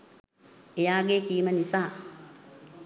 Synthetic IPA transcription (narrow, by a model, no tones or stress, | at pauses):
ejaːɡeːkiːmənisaː